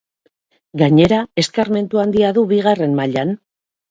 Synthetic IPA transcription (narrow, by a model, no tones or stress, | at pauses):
ɡaɲe̞ɾae̞skaɾme̞nt̪uand̪iaðuβiɣ̞are̞mmaʎan